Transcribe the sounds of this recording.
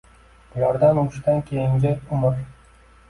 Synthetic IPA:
b̥ʊlaɾd̪anʊɪʃt̪ankʲʰejɪŋd͡ʒʲaʊmʊɾ

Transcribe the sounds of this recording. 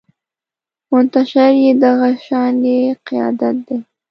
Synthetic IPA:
mʊnt̪aʃaɾjed̪aɣaʃɑneqɪjɑ̰d̪at̪̚d̪e

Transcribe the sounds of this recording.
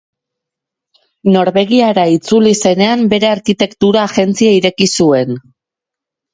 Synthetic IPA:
no̞ɾβe̞ɣ̞iaɾait͡sulise̞ne̞ambe̞ɾe̞aɾkit̪e̞kt̪uɾaːʝe̞nt͡siaiɾe̞kisue̞n

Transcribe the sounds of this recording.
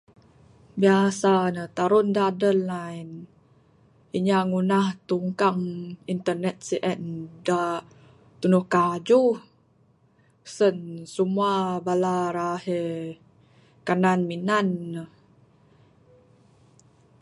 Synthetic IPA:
biasanət̪aɾundadənan | iɲaŋunaht̪uŋkaŋint̪ərnɛt̪̚siʔɛnda | t̪unuhkad͡ʒu | sənsumuabalaɾahe | kananminanːə

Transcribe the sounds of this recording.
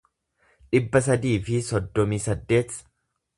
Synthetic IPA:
ᶑɪbːɐsɐd̪iːfɪsɔd̪ːɔmiːsɐd̪ːe̞ːt̪sɐ̥

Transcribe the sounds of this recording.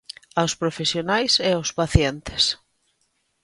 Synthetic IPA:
awspɾofesjonajseawspaθjent̪ɪ̥s

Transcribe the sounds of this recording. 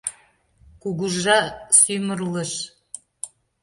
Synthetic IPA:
kuɣuʒːɑsymərlə̆ʃ

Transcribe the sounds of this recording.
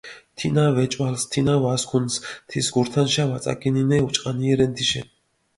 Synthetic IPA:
t̪ʰinavɛt͡ʃʼwalst̪ʰinavaskʰunst̪ʰisɡuɾt̪ʰanʃavasʼa̰kʼininɛut͡ʃʼqʼaniɛɾɛnt̪ʰiʃɛ̰

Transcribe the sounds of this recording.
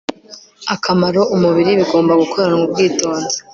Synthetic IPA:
akʰamaɾo̞ʔumuβiɾiβiɡo̞ːmbaɡukʰo̞ɾeɾaŋub̚ɡiːto̞ːnze̥

